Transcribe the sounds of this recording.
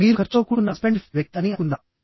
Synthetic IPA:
iːɾukɐɾt͡ʃoːkuunːɐspeɳɖifʋjɐk̚t̪ɐnikund̪a

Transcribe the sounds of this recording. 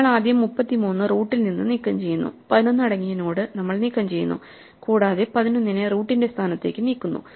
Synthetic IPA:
ɐɭaːd̪jɐmːupːɐt̪ːimuːnːɨruːʈːilninːɨnikːɐmt͡ɕe̞jːunːṵpɐðinonːɐɽɐŋːijɐnoːɽɨnɐmːɐɭnikːɐmt͡ɕe̞jːṵnːṵ | kuːɽaːðepɐðinonːineruːʈːinde̞st̪ʰaːnɐt̪ːe̞ːkːɨniːkːunːṵ

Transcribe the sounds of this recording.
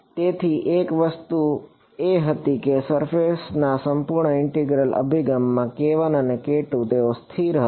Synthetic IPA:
t̪et̪ʰiʔekʋəst̪u | eɦət̪ikesəɾfesnasəmpuɾɳəɪɳʈiɡɾəlʔə̰bʱiɡəmːãkeʋənənekeʈũt̪eost̪ʰiɾɦə

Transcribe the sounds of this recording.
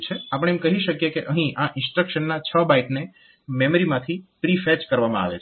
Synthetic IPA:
t͡ʃʰeapəɽ̃eemkəɦiʃəkjekeʔəɦĩʔãʔɪ̃nsʈɾəkʃənːat͡ʃʰəbaiʈne | meməɾimãt̪ʰipɾifɛt͡ʃkəɾʋamã̰a̰ʋḛt͡ʃʰ

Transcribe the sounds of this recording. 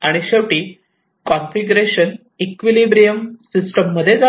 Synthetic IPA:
aɽ̃iɕeʋʈiː | kɔnfiɡuɾeɕən | ikʋilibɾijəmsisʈəmːəd̪ʱːjed͡za

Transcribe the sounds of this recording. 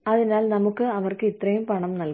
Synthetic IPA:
ɐðinaːlnɐmukːɨɐʋɐrkɨit̪rɐjumpɐɳɐmnɐlk

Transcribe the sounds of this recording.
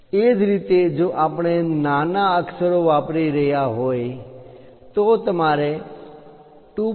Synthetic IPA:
ed͡ʒɾit̪ed͡ʒoʔapɳ̃enanaəksəɾoʋapɾiɾəɦjaɦoj | t̪ot̪əmaɾe | ʈu

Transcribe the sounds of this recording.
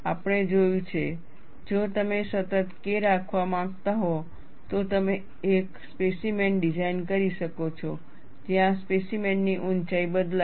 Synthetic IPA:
apɳed͡ʒojũt͡ʃʰe | d͡ʒot̪əmesət̪ət̪keɾakʰʋãmãɡt̪aɦɔ | t̪ot̪əme | ekspesimenɖid͡ʒainkəɾiʃəkot͡ʃʰɔ | d͡ʒiɦãspesimenːiʔunt͡ʃaibəd̪la

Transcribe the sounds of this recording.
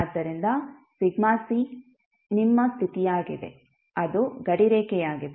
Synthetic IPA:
d̪ːɐɾind̪ɐsiɡmaːsi | nimːɐst̪ʰit̪ijaːɡid̪e̞̰ | ɐd̪uɡɐɽiɾeːkɛjaːɡid̪e

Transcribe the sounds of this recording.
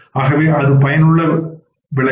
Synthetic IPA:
aːɣɐʋeːʔɐðɯpɐjɐnɯɭːɐ | ʋɪɭɐ

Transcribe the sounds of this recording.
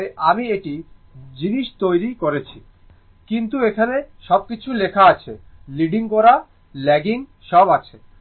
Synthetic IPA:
eʔamieʈid͡ʑiniʃt̪ojɾikoɾet͡ɕʰi | kint̪uekʰaneʃɔb̚kit͡ɕʰulekʰaat͡ɕʰeliɖiŋkɔɾa | lɛɡiŋʃɔbat͡ɕʰe

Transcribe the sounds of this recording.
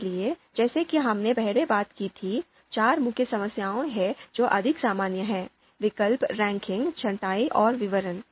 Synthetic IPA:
lied͡ʒɛːsekiɦɐmnebɛɦɽebaːt̪kit̪ʰi | t͡ʃaːɾmʊkʰjəsɐməsjaːõɦɛd͡ʒoːʔɐd̪ʱɪksaːmaːnjəɦɛ̃ː | ʋɪkəlpɾɛ̃ːŋkɪ̃ŋɡt͡ʃʰɐnʈaːiʔɔːɾʋɪʋəɾən

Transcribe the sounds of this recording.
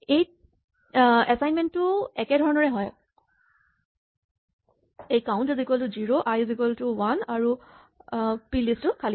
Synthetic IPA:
ej | ɛsajnmɛntːʊɛkɛdʱɔɹɔnɔɹɛɦɔj | ejkaw̃ntizikɔltʊziɹoʔajzikɛltʊwanaɹu | pilistʊkʰali

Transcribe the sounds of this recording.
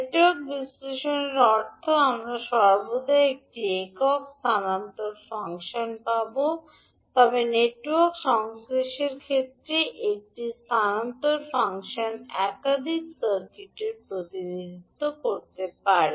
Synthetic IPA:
neʈwoɾk̚bisleʃoneɾɔɾt̪ʰoamɾaʃɔɾbod̪ʱaeek̚ʈiekokst̪ʰanant̪oɾfaŋkʃonpabo | t̪ɔbeneʈwɔɾkʃɔŋsɾiʃeɾkʰet̪ːɾeʔek̚ʈist̪ʰanant̪oɾfaŋkʃonɛkad̪ʱiksəɾkiʈeɾpɾot̪inid̪it̪ːokoɾt̪epaɾi

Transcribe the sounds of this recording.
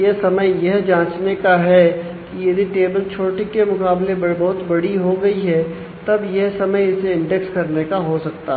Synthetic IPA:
jesɐməjjɐɦd͡ʒãːt͡ʃnekaɦɛ | kijɐd̪iʈeːbəlt͡ʃʰoːʈikemʊkaːblebbɔɦʊt̪bɐɽiɦoɡɐiɦɛ | t̪ɐbjɛɦsɐməjɪseɪ̃ɳɖɛkskɐɾnekaɦosɐk̚t̪aɦ

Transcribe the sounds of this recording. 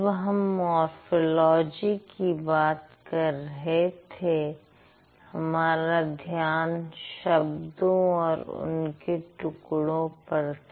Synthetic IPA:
ʋɦɐmːɔːɾfolɔːd͡ʒikibaːt̪kɐɾɐɦet̪ʰe | hɐmaːɾad̪ʱjaːnʃɐbd̪õɔːɾʊ̰nkeʈʊkɽõpɐɾt̪

